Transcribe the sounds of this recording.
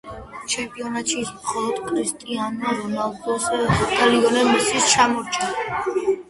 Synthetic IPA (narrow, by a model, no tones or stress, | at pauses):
t͡ʃʰɛmpʼiɔnat̪ʃismχɔlˠɔd̪̥kʼʰɾist̪ʼianɔɾɔnalˠɡɔsd̪ʰaliɔlɛmisist͡ʃʰamɔɾt͡ʃʰa